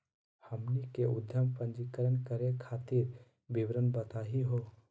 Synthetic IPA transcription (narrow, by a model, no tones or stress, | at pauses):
həmnikeʊd̪ʱjəmpə̃nd͡ʒikəɾənkəɾekʰaːt̪ɪɾ | bɪbɾənbət̪aːɦiɦoː